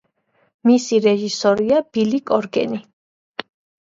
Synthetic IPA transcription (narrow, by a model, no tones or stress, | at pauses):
misiɾɛʒisɔɾiab̥ilikʼɔɾɡɛ̰ni